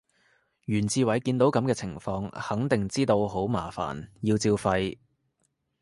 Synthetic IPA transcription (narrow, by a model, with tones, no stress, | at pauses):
jyː˨˩nt͡siː˧wɐ˨˥jkiː˧nt̪o˨˥wkɐ˨˥mkɛː˧t͡sʰɪ˨˩ŋfɔː˧ŋhɐ˨˥ŋt̪ɪ˨ŋt͡siː˥t̪o˧wɦo˨˥wma̰ː˨˩fa̰ː˨˩njiː˧wt͡siː˧wfɐ˧j